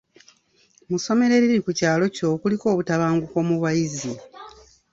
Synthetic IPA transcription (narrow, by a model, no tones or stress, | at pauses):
muso̞me̞ɾe̞ɾiɾɾikucaːlo̞co̞ːkuliko̞ːβutaβaːŋɡuko̞ːmuβwajizi